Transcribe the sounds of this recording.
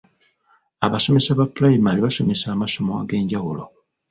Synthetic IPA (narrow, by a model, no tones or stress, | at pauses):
aβaso̞me̞saβaplajimaliβaso̞me̞saːmaso̞moa̰ɡe̞ːɲɟawulo̰